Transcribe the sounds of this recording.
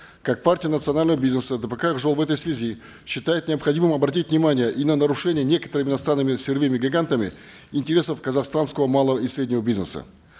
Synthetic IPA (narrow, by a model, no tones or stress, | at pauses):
kak̚partʲɪjənət̪sɨɐnalʲnəvəbʲiznəsəd̪əpəkaʐolˠvɛt̪əjsvʲɪzʲi | ɕːɪt̪ajɪt̪̚nʲɪɐpxɐdʲimɨmɐbɾɐtʲitʲvʲnʲɪmanʲɪjəʔinənəɾʊʂɛnʲɪjənʲe̞kə̥t̪əɾɨmʲɪnɐst̪ɾanːɨmʲɪsʲɪrvʲimʲɪɡɐɡant̪əmʲɪ̰ | ɪnʲtʲɪɾʲe̞səfkəzaxst̪anskəvəmalˠəvəisɾʲedʲnʲɪvəbʲiznə̰sə̰